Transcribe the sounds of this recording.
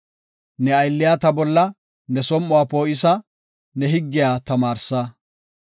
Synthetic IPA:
nɛɐjlːɪjaːt̪ɐbɔlːɐ | nɛsɔmːʊwaːpoːʔɪsɐ | nɛɦɪɡːɪjaːt̪ɐmaːɾsɐ

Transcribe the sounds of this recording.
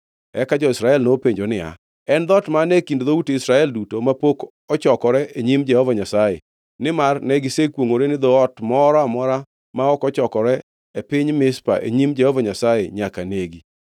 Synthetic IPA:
ɛkad͡ʒɔɪsɾaɛlnopeɲd͡ʒonɪa̰ | ɛnd̪ɔtmanekindd̪outisɾaɛldutomapok | ɔt͡ʃɔkɔɾɛʔeɲimd͡ʒɛhɔvaɲasaje | nɪmarnɛɡɪsekwoŋoɾenɪd̪ɔɔtmɔɾɔamɔɾa | maɔkɔt͡ʃɔkɔɾɛ | epɪɲmɪspa̰ʔḛɲimd͡ʒɛhɔvaɲasajeɲakaneɡi

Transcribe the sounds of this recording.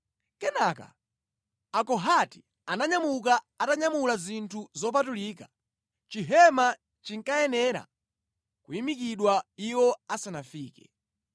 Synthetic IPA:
kɛnaka̰ | akɔɦati̥ | anaɲamuk̬a | ataɲamulazintʰuzɔp̬atuliːka | t͡ʃiɦɛma | t͡ʃiŋkajɛnɛɾa̰ | kuimikiɗwaiwɔasanafiːkɛ̥

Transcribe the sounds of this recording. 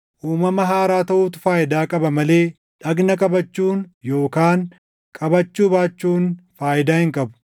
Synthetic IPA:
ʔuːmɐmɐɦaːɾaːt̪ɐʔuːt̪ʊ̥faːjɪd̪aːkʼɐbɐmɐle̞ː | ᶑɐɡnɐkʼɐbɐt͡ʃːuːnjo̞ːkaːŋ | kʼɐbɐt͡ʃːuːbaːt͡ʃːuːnfaːjɪd̪aːhɪŋkʼɐbʊ̥

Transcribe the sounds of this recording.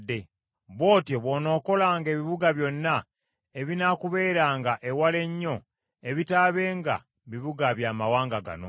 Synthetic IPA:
dːe̞ | βo̞ːtjoβoːno̞ːko̞laːŋɡe̞ːβiβuɡaβjo̞nːa | eβinakuβe̞ːɾaːŋɡaʔe̞wale̞ɲːo̞ | e̞βitaːβe̞ːŋɡa̰ | βiβuɡaβjaːmawaːŋɡaɡa̰no̰

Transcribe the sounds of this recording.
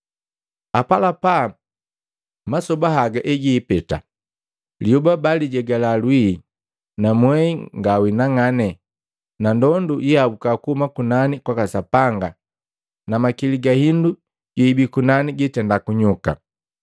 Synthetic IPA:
apalapa | masɔbaɦaɡaʔɛɡiːpɛta̰ | ljubabaliɟɛɡalalwi | namwɛiŋɡawinaŋanɛ | nandɔndujiabukakuhumakunanikwakasapaŋɡa | namakiliɡahindu | ɟ̥iːbikunaniɡitɛndakuɲuka̰

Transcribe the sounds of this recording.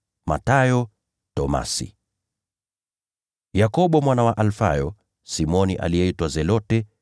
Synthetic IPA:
ma̰tajɔ | tɔma̰sḭ | jakɔɓɔmwanawaʔalfa̰jɔ | simɔniʔa̰liɛitwazɛlɔtɛ

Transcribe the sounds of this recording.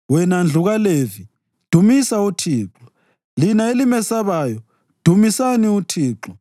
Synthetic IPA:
wɛnand͡ɮʱuɣalevi | d̥ʱumisautʰiːǁɔ̥ | linaelimɛsaβaːjɔ | d̥ʱumisaniutʰiːǁɔ

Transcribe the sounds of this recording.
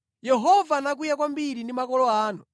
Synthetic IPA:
jɛɦɔvanak̬wijak̬wambiɾindimakɔlɔaːnu

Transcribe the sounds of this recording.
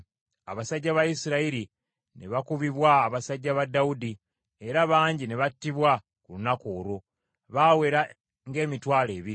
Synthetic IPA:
aβasaɟːaβajisiɾaiɾi | ne̞̰βakuβiβwaːβasaɟːaβadːaudi | e̞ɾaβaːɲɟine̞βatːiβwa | kulunakoːɾo̞ | βaːwe̞ɾa | ŋɡe̞ːmitwaːle̞ːβiɾi

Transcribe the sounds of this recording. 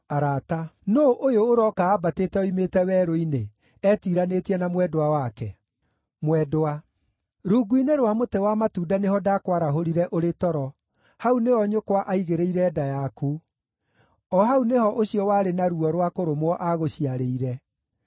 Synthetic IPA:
aɾatanoʔojoːɾɔkaːbateːtɛoimetɛwɛːɾoine | ɛtiɾanetiɛnamwɛdowawakɛ | mwɛdoa | ɾuːɡuineɾwamotewamatuːdaneɦɔdakwaɾaɦoɾiɾɛʔoɾetɔɾɔ | hauneɔɲokwaʔaiɣeɾeiɾɛːdajaku | ɔɦauneɦɔʔoɕjɔwaːɾenaɾuɔɾwakoɾomwɔʔaɣoɕiaɾeiɾɛ

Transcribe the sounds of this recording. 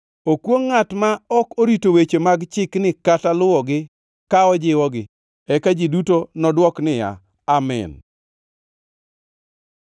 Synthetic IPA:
okwoŋːatmaɔkoɾitowet͡ʃemaɡt͡ʃɪknɪkatalʊwɔɡɪ | kaɔd͡ʒɪwɔɡɪ | ɛkad͡ʒɪdutonɔdwɔknɪja̰ | amɛ̰n

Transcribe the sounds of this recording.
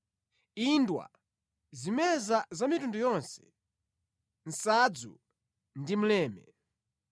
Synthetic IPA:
indwa̰ | zimɛzazamitundujɔnsɛ̥ | n̩sad͡zṵ | ndim̩lɛːmɛ

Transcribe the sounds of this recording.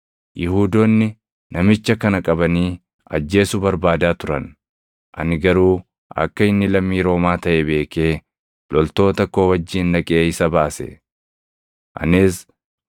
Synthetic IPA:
jɪhuːd̪oːnːɪ | nɐmɪt͡ʃːɐkɐnɐkʼɐbɐniː | ɐ̰d͡ʒːe̞ːsʊbɐɾbaːd̪aːt̪ʊɾɐn | ʔɐ̰nɪɡɐɾuː | ʔɐ̰kːɐɪnːɪlɐmːiːɾo̞ːmaːt̪ɐʔebe̞ːke̞ː | lɔlt̪o̞ːt̪ɐkoːwɐd͡ʒːiːnːɐkʼe̞ːɪsɐbaːsɛ̰ | ʔɐ̰nɪs

